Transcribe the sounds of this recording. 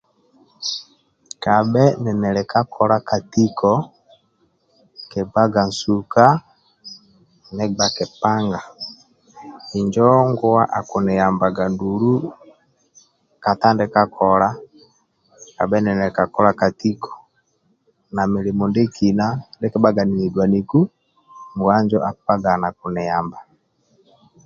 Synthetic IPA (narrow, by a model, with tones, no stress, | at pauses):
ka˨bɛ˦nɛ˨nɛ˨lɛ˨ka˦kʰɔ˨ɾa˦ka˨ti˦kɔ˦ | kɛ˨ba˦ɡa˨n˨su˨ka˦ | nɛ˦ɡ͡ba˨kɛ˨pa˦ŋɡa˨ | i˨ɲd͡ʒɔ˦ŋɡɔ˦wa˦ʔa˨ku˨nɛ˨ja˨mba˨ɡa˨ndu˨lu˦ | ka˨ta˦ndɛ˦ka˦kʰɔ˨la˦ | ka˨bɛ˦nɛ˨nɛ˨ka˨kɔ˦la˨ka˨ti˦kʰɔ̥˨ | na˨mɛ˨li˨mɔ˨nde˦ki˨na˦ndɛ˦kɛ˦ba˦ɡa˨ni˨ni˨dwa˨ni˨ku˦ | ŋɡwa˦nd͡ʒɔ˦ʔa˨pa˦ɡa˨na˨ku˨nɛ˨ja˨mba˨